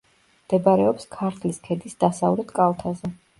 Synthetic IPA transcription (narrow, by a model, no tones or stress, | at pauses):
md̪̥ɛbaɾɛɔpskʰaɾt̪ʰliskʰɛd̪isd̪asavlɛt̪kʼalˠt̪ʰazɛ